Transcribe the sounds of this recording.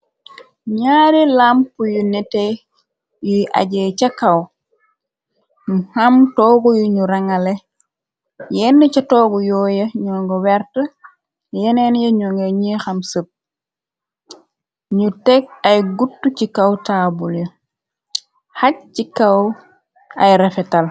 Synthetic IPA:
ɲaːɾilampujunɛtɛ | jujʔa̰ɟɛt͡ʃɐkɐw | ɲuhɐmtɔːɡujuɲuɾɐŋɐlɛ | jɛnːət͡ʃɐtɔːɡujɔːjɐɲɔŋɡɐwɛrtɐ | jɛnɛnjɐɲuŋɡɐɲixɐmsəp̚ | ɲutɛk̚ɐjɡutːucikɐwtaːbuljɐ | hɐk̚cikɐw | ɐjɾɛfɛtɐl

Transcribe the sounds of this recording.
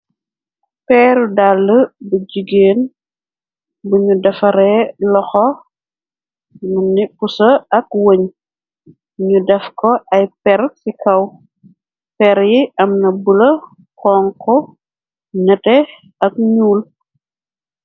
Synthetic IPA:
pɛːɾudalːəbɐd͡ʒiɡeːn | buɲudɐfɐɾɛlɔxɔ | nunːipusɐɐkwəɲ | ɲudɛfkɔʔɐjpɛɾsikʰɐw | pɛɾjiʔɐmnɐbəlɐ | kɔːŋkɔ | ɲɐtɛ | ɐk̚ɲuːl

